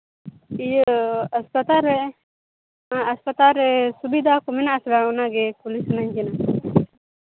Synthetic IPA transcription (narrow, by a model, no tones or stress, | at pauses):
ijəspət̪aɾɛ | əspət̪aɾɛsubid̪ʱakɔmɛnaʔsbaɔnaɡɛkulisnaɲd͡ʒɛna